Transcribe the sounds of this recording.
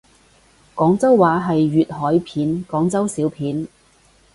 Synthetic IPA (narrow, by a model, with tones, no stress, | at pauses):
kɔː˨˥ŋt͡sɐ˥wːaː˨˥ɦɐ˨jɥyː˨t̚hɔː˨˥jpʰiː˨˥nkɔː˨˥ŋt͡sɐ˥wsiː˨˥wpʰiː˨˥n